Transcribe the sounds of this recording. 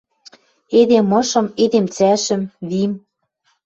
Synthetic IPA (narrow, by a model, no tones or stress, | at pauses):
ed̪emɤ̆ʃɤ̆med̪emt͡sæʃɘ̆mβim